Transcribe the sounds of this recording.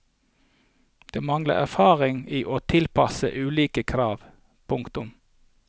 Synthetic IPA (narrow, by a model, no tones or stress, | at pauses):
d̪̥eːmɑŋlə̰æ̰fɑːʁɪŋiːʔoːt̪ʰɪlpɑsə̰ʔʉːliːkəkʰɾɑːʋ | pʰʊŋkt̪ʊm